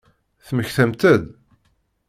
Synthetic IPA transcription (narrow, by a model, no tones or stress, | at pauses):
θməçθæmt̪əð